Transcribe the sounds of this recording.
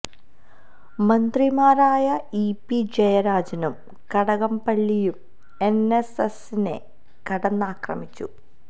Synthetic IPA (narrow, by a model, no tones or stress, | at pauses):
mɐnd̪rimaːraːjɐipːid͡ʑejɐɾaːd͡ʑɐnum | kɐɽɐɣɐmpɐɭːijum | e̞nesesine̞̰ | kɐɽɐnːaːkrɐ̰mit͡ɕːṵ